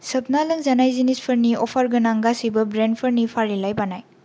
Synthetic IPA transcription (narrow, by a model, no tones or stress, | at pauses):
sɐp̚nalɯŋzanajzinispʰɐɾniɔpʰɐɾɡɯnaŋɡasibɐbɾenpʰɐɾnipʰaɾilajbanaj